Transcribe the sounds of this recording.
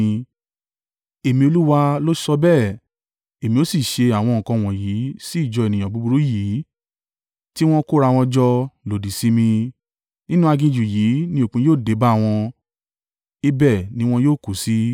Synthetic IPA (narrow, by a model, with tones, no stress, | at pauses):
e˨mĩ˧o˧lu˦wa˧lo˦sɔ˧bɛ˦˨ | e˨mĩ˧o˦si˦˨ʃe˧a˨w̃ɔ̃˧ŋ̩˨kɔ̃˧˨w̃ɔ̃˨ji˨˦si˦i˦˨d͡ʒɔ˧e˨nĩ˨jã˨bu˧˦bu˧ɾu˦ji˨˦ | ti˦w̃ɔ̃˦ko˦ɾa˧w̃ɔ̃˧d͡ʒɔ˧lo˨di˨si˨˦mĩ˧ | nĩ˦nũ˦a˧ɡĩ˧d͡ʒu˨jiː˨˦nĩ˦o˨k͡pũ˧˦joː˦˨de˨˦ba˦˨w̃ɔ̃˧ | i˦bɛ˦˨nĩ˦w̃ɔ̃˧joː˦˨ku˨si˦